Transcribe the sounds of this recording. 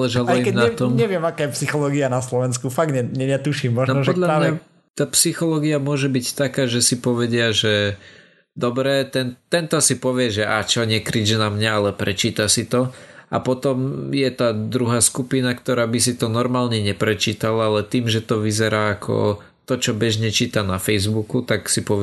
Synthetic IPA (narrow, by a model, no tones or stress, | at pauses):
lɛʒalaɛikɛmnaat̪ɔmɲɛʋɪɛmakaːjɛpsixɔlɔːɡianaslɔʋɛnskufaɡ̚ɲɛɲɛɲɛt̪uʃimːɔnnɔpɔd̪ʎamaɲa | t̪aːpsixɔlɔːɡiamʊɔʒɛbict̪akaːʒɛsipɔʋɛɟɪaʒɛ | d̪ɔbɾɛːt̪ɛnt̪ɛnt̪ɔsipɔʋɪɛʒɛʔat͡ʃɔɲɪɛkɾid͡ʒnamɲaalɛpɾɛt͡ʃiːt̪asit̪ɔa̰pɔt̪ɔmjɛt̪aːd̪ɾuɦaːskupinakt̪ɔɾaːbis̬it̪ɔnɔɾmaːlɲɛɲɛpɾɛt͡ʃiːt̪alaalɛt̪iːmʒɛt̪ɔʋizɛɾaːkʰɔ̰ | t̪ɔt͡ʃɔbɛʒɲɛt͡ʃiːt̪anafɛjzbukut̪aksipɔʋ